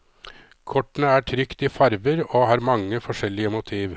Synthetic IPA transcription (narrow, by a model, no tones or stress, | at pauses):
kʰɔʈːnəæːʈʰɾʏkt̪iːfɑɾʋəɾoːhɑːɾmɑŋːəfɔʂɛlɪəmʊt̪ʰiːʋ